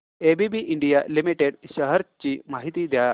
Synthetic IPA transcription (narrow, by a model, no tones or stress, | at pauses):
ebibiʔiɳɖijalimiʈeɖɕɐɦɐɾt͡ɕimaɦit̪id̪ja